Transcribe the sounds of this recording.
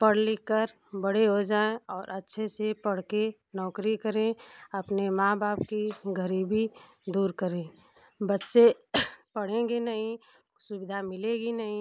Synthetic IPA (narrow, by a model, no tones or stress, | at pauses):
pəɽ̤lekəɾ | bəɽ̤eɦod͡ʒaːẽɔːɾʔətːʃʰesepəɽ̤ke | nɔːkɾikəɾẽəpnemãːbaːpkiɡʱəɾiːbi | d̪uːɾkəɾẽ | bətːʃepəɽ̤ẽɡenəɦĩ | sʊbɪd̪ʱamɪlẽɡinəɦĩ